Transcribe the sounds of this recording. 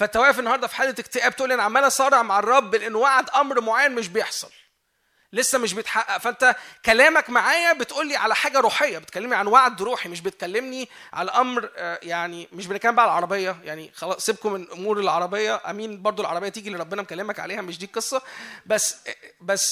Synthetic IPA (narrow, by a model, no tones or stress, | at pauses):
fæt̪ːæwæʔæfenːɑhɑɾˤd̪ˤɑfi̥ħaːd̪ːæt̪ekt̪eʔæːb̚t̪ʔuːlːʔænʕamːænæsˤɑːɾˤeʕmaʕɑrˤːɑbːelʔenːwaʕd̪ʔɑmɾmoʕaːjːænmeʃ̬bejeħsˤɑl | lesːæmeʃ̬bejet̪ħaʔæfæʔent̪ækælæːmækmaʕaːjæbet̪ʔuːlːiːʕalæħaːɡæɾˤuːħejːæbet̪̚kælːemniʕanwaʕd̪ɾuːħimeʃ̬bet̪̚kælːemniʕa̰læʔɑmɾjaʕnimeʃ̬benekælːmbæʕælʕɑɾˤɑbejːɑjaʕnixɑlɑsˤːeb̚komenʔomuːɾelʕɑ̰ɾˤɑbejːɑʔæ̰miːnbɑɾˤd̪ˤoelʕɑɾˤɑbejːɑt̪iːɡileɾˤɑbːenæmkælːemækʕa̰leːhæmeʃd̪iːqesˤːɑbæsːbæsː